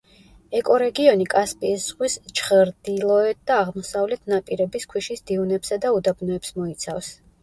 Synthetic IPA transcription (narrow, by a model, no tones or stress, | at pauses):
ɛkʼɔɾɛɡiɔnikʼaspʼisz̥ʁwist͡ʃʰχəɾd̪̥ilˠɔɛt̪̚d̪̥aːʁmɔsavlɛt̪ʰnapʼiɾɛbiskʰwiʃisd̪iunɛpsad̪aud̪abnɔɛpsmɔit̪sʰafs